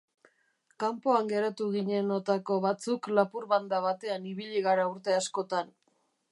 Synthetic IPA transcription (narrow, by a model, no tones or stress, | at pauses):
kampo̞aŋɡe̞ɾat̪uɣiɲe̞no̞t̪ako̞βat͡suklapuɾβand̪aβat̪e̞aniβiʎiɣ̞aɾauɾt̪e̞asko̞t̪an